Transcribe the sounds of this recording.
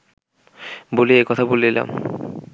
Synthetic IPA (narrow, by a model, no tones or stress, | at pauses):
boliekɔt̪ʰaboliila̰m